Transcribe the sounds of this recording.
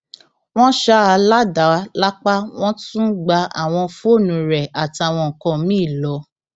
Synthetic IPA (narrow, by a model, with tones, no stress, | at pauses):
w̃ɔ̃˦ʃa˦a˧la˦da˨˦la˦k͡pa˦w̃ɔ̃˦tũ˦ɡ͡ba˧a̰˦˨w̃ɔ̃˧fu˦o˦˨nũ˨˦ɾɛ˨a˨ti˧a˨w̃ɔ̃˧ŋ̩˨kɔ̃˧mĩ˦˨lɔ˨˦